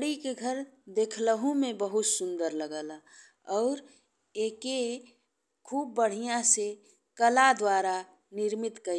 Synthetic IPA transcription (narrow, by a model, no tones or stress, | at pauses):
ɽikeɡʱəɾd̪eːkʰləɦũmẽbəɦut̪sʊ̃nd̪əɾləɡəːla | ɔːɾ | eːke | kʰuːb̚ːəɽ̤ijãse | kəlad̪waːɾa | nɪɾmɪt̪kə